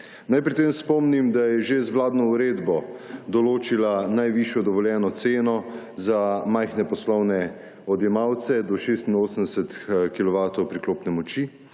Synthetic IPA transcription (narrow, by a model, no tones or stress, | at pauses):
najpɾit̪emspɔmnimd̪ajɛʒezwlaːd̪nɔuɾeːd̪bɔd̪ɔloːt͡ʃilanajʋiʃjɔd̪ɔʋɔljɛːnɔt̪seːnɔ | zamajxnɛpɔslɔwnɛ | ɔd̪jɛmawt̪sɛd̪ɔʃeːst̪inoːsənd̪ɛsət̪kilɔʋaːt̪ɔwpɾikloːpnɛmɔt͡ʃi